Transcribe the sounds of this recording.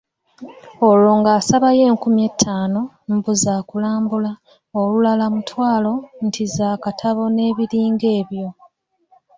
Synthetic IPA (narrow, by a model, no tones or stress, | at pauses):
olo̞ːŋɡaːsaβaje̞ːŋkumje̞ːtʰːaːno̞ | mbuzaːkulaːmbula | olulalamutwaːlo̞n̩tʰizaːkatʰaβo̞ne̞ːβiɾiːŋɡe̞ːβjo̞